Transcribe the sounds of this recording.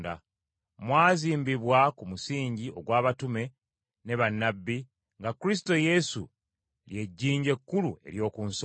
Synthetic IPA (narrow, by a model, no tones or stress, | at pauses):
da̰ | mwaːziːmbiβwakumusiːɲɟiʔo̞ɡwaːβatume̞ | ne̞βanːabːi | ŋɡakɾis̬i̥to̞je̞sṵ | lje̞ɟːiːɲɟe̞kːulue̞̰ɾjo̞ːkuns